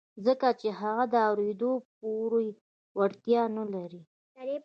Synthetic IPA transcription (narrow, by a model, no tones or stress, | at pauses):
zəkat͡ʃeɦaɣad̪əawɾed̪op̚oɾoj | waɽt̪jɑnalaɾi